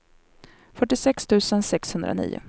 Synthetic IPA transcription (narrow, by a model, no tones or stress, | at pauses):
fœʈːɪsɛkst̪ʰʉ̟ːsənsɛkshɵnd̪ɾa̰nḭːʊ̰